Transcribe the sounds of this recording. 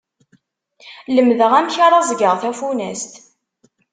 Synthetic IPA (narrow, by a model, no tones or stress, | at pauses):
ləmðəʁæmçaɾˤɑzˤɡəʁθæfunæ̰st̪